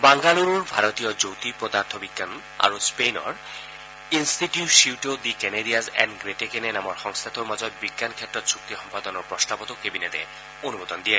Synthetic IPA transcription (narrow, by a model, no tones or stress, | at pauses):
baŋɡaluɾoɾbʱaɾot̪ijod͡ʑowt̪ipɾɔd̪aɾt̪ʰobiɡan | a̰ɾospejnɔ̰ɾ | insʈiʈjuʈʃiwʈod̪ikɛneɾiazɛ̰nɖɡɾeʈekenenamɔɾxɔŋst̪ʰat̪oɾmad͡ʑɔd̪̚biɡːankʰɛt̪ːɾot̪sʰuk̚t̪ixɔmpad̪ɔnoɾpɾɔst̪apot̪okebinet̪ḛ | onubod̪ond̪ie